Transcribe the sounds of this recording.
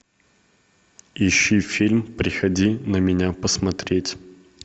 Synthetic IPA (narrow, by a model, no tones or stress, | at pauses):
ɪɕːifʲilʲmpɾʲɪxɐdʲinəmʲɪnʲapəsmɐt̪ɾʲetʲ